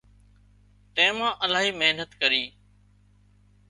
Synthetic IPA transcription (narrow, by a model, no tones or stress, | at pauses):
t̪ẽːmãːʔəlaːɦiːmeɦnət̪kəɾiː